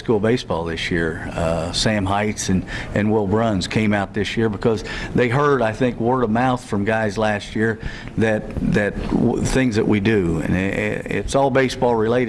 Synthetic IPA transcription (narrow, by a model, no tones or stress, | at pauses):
skulˠbeɪsb̥ɔlˠðɪsjɪɹsæ̃mɦaɪtsɨ̃nɨ̃nwɪlˠbɹʌ̃nz̥kʰẽɪ̃maʊt̪̚ðɪsjɪɹbɨkʰʌzðeɪɦɜ˞ɾaɪθɪ̃ŋkwɜ˞ɾəmaʊθfɹʌ̃mɡaɪzlæst̚jɪɹ | ðɨt̪̚ðɨt̚θɪ̃ŋzðɨʔwidɨɨ̰̃n̰ɪ̰tsɔlˠbeɪsb̥ɔlˠɹɨleɪɾ